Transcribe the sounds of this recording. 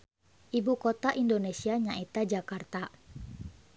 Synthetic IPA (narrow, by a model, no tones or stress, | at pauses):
ʔibukɔt̪aʔindonesiaɲaʔɛt̪ad͡ʒakart̪a